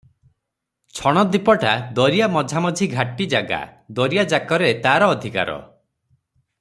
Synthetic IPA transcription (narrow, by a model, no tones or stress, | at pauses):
t͡ʃʰɔɽ̃ɔd̪ipɔʈad̪ɔɾijamɔd͡ʒʱamɔd͡ʒʱiɡʱaʈid͡ʒaɡa̰d̪ɔɾijad͡ʒakɔɾet̪aɾɔːd̪ʱika̰ɾɔ̰